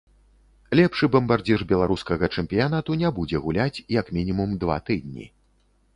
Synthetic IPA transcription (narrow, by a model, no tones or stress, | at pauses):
lʲɛpʂɨbɐmbard͡zʲiʐbʲɛlˠaɾuskɐɣɐt͡ʂɛmʲpʲijanat̪unʲɛbud͡zʲɛɣulʲat͡sʲjɐkmʲinʲimumd̪va̰t̪ɨd̪̚ʲnʲḭ